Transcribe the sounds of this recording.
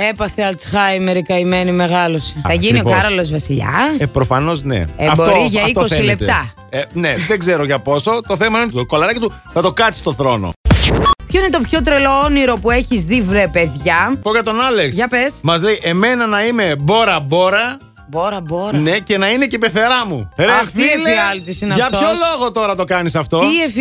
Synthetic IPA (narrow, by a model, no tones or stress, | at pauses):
e̞pɐθeɐlsxɐjmeɾikɐimenime̞ɣɐloseθɐʝinio̞kɐɾolo̞zvɐsiʎɐ̰spɾofɐno̞znḛeɐfbtooɾiʝɐit̪oosθeilept̪et̪ɐ | eneðeɡze̞ɾoʝɐpo̞so̞t̪oθemɐinnet̪ko̞lɐɾɐcit̪u | θɐt̪o̞kɐt̪si̥st̪o̞θɾo̞no̰pçoinet̪opço̞t̪ɾelooniɾo̞pue̞çizðivɾepeðʝɐpoʝɐt̪o̞nɐlekʝɐpesmɐzle̞iʔe̞me̞nɐnɐime̞bo̞ɾɐbo̞ɾɐ | boɾɐboɾnece̞nɐinecepe̞θe̞ɾɐmuɾeffiliɐlt̪isinɐʝɐpçolo̞ɣo̞t̪o̞ɾɐt̪o̞kɐnisɐft̪oief